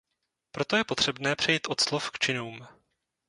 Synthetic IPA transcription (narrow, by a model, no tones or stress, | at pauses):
pɾo̞t̪o̞jɛpo̞t̪r̥ɛbnɛːpr̝̥ɛjiːt̪ʔo̞t̪slofkt͡ʃɪnuːm